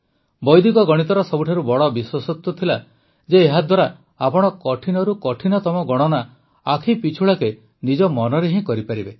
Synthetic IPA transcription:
bɔjd̪ikɔɡɔɽ̃it̪ɔɾɔsɔbuʈʰaɾubɔɽɔbiswasɔt̪ut̪ʰila | d͡ʒeːɦad̪waɾa | apɔɽ̃ɔkɔʈʰinɔɾukɔʈʰinɔt̪ɔmɔɡɔɽ̃ɔna | akʰipit͡ʃʰuɭake | nid͡ʒɔmɔnɔɾeɦĩkɔɾipaɾibe

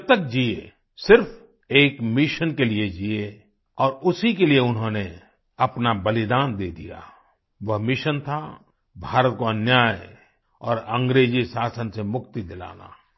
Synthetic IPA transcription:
t̪ək̚d͡ʒiḛ | sɪɾf | eːkmɪʃənkelied͡ʒie | ɔːɾʊsikelieʊnɦõne | ɐpnabɐlɪd̪aːnd̪eːd̪ḭja̰ː | ʋɐɦmɪʃənt̪ʰa | bʱaːɾət̪̚koɐnjaːj | ɔːɾə̃ŋɡɾeːd͡ʒisaːsənsemʊkt̪id̪ɪla̰ːna̰

